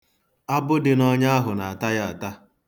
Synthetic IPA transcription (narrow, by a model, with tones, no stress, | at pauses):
a˦bʊ˦dɪ˨nɔ˦ɲa˦a˦ɦʊ˨na˨a˨ta˦ja˦a˨ta˦